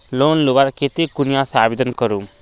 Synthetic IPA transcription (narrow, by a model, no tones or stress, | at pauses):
lonlubaɾket̪ikunijasabed̪ʌnkɔɾum